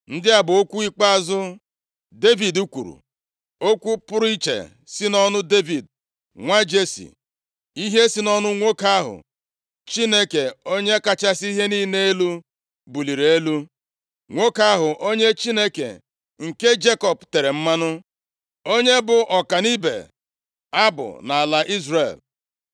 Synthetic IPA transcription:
n̩˦dɪ˦a˦bʊ˨o˦kʷu˦i˦k͡pa˦a˦zʊ˦ | de˦vi˨du˦kʷṵ˨ɾṵ˨ | o˦kʷu˦pʊ˦ɾi˦t͡ʃḛ˨ | si˦nɔ˦nʊ˦de˦vi˨d̚ | ŋʷa˦d͡ʒe˦sḭ˨ | i˦ɦe˦si˦nɔ˦nʊ˦ŋʷo˦ka˦ɦʊ̰˨ | t͡ʃi˦ne˦ke˨o˦ɲe˦ka˦t͡ʃa˦si˦ɦe˦niː˦ne˦e˦lu˦ | bu˨li˨ɾe˦lu˦ | ŋʷo˦ka˦ɦʊ˨ʔo˦ɲe˦t͡ʃi˦ne˦kḛ˨ | ŋ̩˨ke˦d͡ʒe˦kɔ˨pte˨ɾe˨m̩˦ma˦nʊ˦ | o˦ɲe˦bʊ˨ʔɔ˨ka˨ni˦bḛ˨ | a˦bʊ̰˨na˨a˨la˨ʔi˦zre˨l

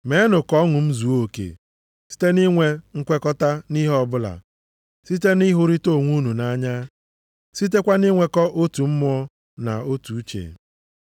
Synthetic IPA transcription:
me˨˦nʊ˨kɔ˦ŋʊ˨m̩˦zu˨˦o˨kḛ˨ | si̥˦te˦ni˦ŋʷe˦ŋ̩˦kʷe˦kɔ˦ta˦ni˦ɦɔ˦bʊ˦la̰˨ | si˦t̬e˦ni˦ɦʊ˦ɾi˦to˦˨ŋʷu˦nu˨na˦ɲa˦ | si˦t̬e˦kʷa˦ni˦ŋʷe˨˦kɔ˦ʔo˦tu˨m̩˦mʊ˦ɔ˦ | na̰˨o˦tu˨u˦t͡ʃḛ˨

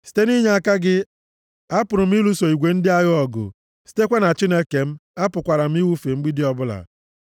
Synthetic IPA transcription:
si̥˦te˦ni˦ɲe˨˦a˨ka˦ɡɪ˦ | a˦pʊ˨ɾʊ˨m̩˦i˦lu˦so˨i˨ɡʷe˨n̩˦dɪ˦a˦ɣʊ˦ɔ˨ɡʊ̰˨ | si̥˨te˦kʷe˦na˨t͡ʃi˦ne˦ke˨m̩˦a˦pʊ˨kʷa˨ɾa˨m̩˦i˦wu˦fe˨ŋ͡m̩˦ɡ͡bi˦dɪ˦ɔ˦bʊ˦la̰˨

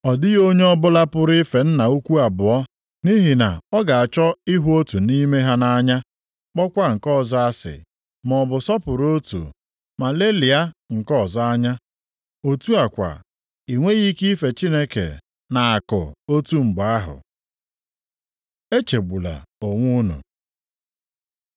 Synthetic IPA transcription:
ɔ˨dɪ˦ɣo˦ɲe˦ɔ˦bʊ˦la˦pʊ˦ɾɪ˦fe˨n̩˦na˨u˦kʷu˦a˨bʊ˨ɔ˦ | ni˦ɦi˨na˨ɔ˦ɡa˨a˨t͡ʃɔ˦ɪ˦ɦu˦o˦tu˨ni˦me˦ɦa˦na˦ɲa˦ | k͡pɔ˦kʷa˦ŋ̩˨kɔ˦˨za˦a˦sɪ̰˨ | mɔ˨bʊ˨sɔ˦pʊ˨ɾo˦tṵ˨ | ma˨le˦li˨a˦ŋ̩˨kɔ˦˨za˦a˦ɲa˦ | o˨tu˦a˨kʷa̰˨ | i˨ŋʷe˦ɣi˦ki˦fe˨t͡ʃi˦ne˦kḛ˨ | na˨a˨kʊ̰˨o˦tu˦ŋ͡m̩˨ɡ͡ba˦ɦʊ̰˨ | e˦t͡ʃe˨ɡ͡bu˨la̰˨o˨ŋʷu˦nṵ˨

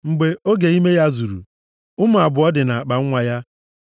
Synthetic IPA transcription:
ŋ͡m̩˨ɡ͡be˦o˦ɡe˨i˦me˦ja˦zu˨ɾṵ˨ | ʊ˦mʊ˨a˨bʊ˨ɔ˦dɪ˨na˨a˨k͡pa˨ŋ̩˦ŋʷa˨ja˦

